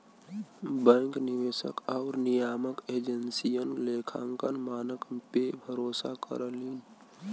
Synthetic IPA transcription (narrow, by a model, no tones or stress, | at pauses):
bəŋknɪʋeːsə̰kaʊɾnijaːməkeːd͡ʒənsijənlekʰa̰ŋkənmaːnəkpebʱəɾoːsa̰kə̰ɾəliːn